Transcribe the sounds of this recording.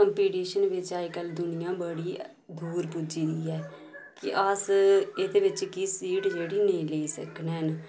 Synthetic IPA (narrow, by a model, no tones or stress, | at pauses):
kəmpiːʈiːʃənʋɪt͡ʃaːkəld̪ʊnɪjãːbəɽiː | d̪ʱuːɾpʊd͡ʒiːd̪iːɛː | kɪʔəsed̪eːʋɪt͡ʃkisiːʈd͡ʒeːɽiːneĩːleːisə̰knɛːn